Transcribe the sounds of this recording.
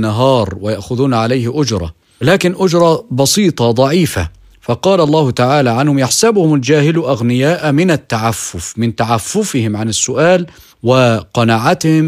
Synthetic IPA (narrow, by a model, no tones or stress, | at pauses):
nːaɦɑːɾˤwɪjaʔxʊðuːnʕalajhɪʔʊd͡ʒɾˤɑ̰ | laːkɪnʔʊd͡ʒɾˤɑbɑsˤiːt̪ˤɑd̪ˤɑʕiːfa | fɑqɑːlalˤːɑːhʊt̪aʕaːlaʕanhʊmjaħsabhʊmald͡ʒaːhɪlʔaɣnɪjaːʔmɪnat̪ːaʕafːʊfmɪnt̪aʕafːʊfɪhɪmʕanɪsːʊʔaːl | wɪqɑnaːʕat̪hɪm